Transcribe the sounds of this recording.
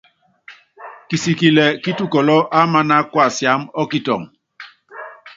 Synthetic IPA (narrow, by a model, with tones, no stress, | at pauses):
ki˨si˨ki˨lɛ˨ki˦tu˦kɔ˨lɔ˦ʔa˦ma˦na˦kwa˦˨sja˨˦mɔ˦ki˦tɔ̰˨ŋ